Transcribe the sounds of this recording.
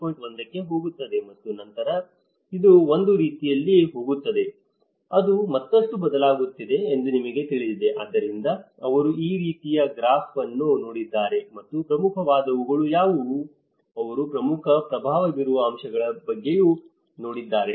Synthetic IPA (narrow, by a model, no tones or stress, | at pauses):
pojʈʋɐnd̪ɐkːe̞ɦo̞ːɡut̪ːɐd̪e̞mɐt̪ːunɐnt̪ɐɾɐ | id̪uo̞nd̪uɾiːt̪ijɐlːiɦo̞ːɡut̪ːɐd̪e̞ | ɐd̪umɐt̪ːɐstubɐd̪ɐlaːɡut̪ːid̪e̞ːnd̪unimɐɡe̞t̪iɭid̪id̪e̞ʔa̰ːd̪ːɐɾind̪ɐɐʋɐɾuiːɾiːt̪ijɐɡɾaːfɐnːuno̞ːɽid̪ːaːɾe̞mɐt̪ːupɾɐmukʰɐʋaːd̪ɐʋuɡɐɭujaːʋu | ɐʋɐɾupɾɐmukʰɐpɾɐbʱaːʋɐɡiɾuʋɐːmʃɐɡɐɭɐbɐɡːe̞ju | no̞ːɽid̪ːaːɾe